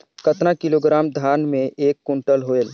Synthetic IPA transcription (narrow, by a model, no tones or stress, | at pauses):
kət̪ɾakɪloːɡɾaːmd̪ʱaːnmẽʔeːkːʊ̃ɳʈəlɦoel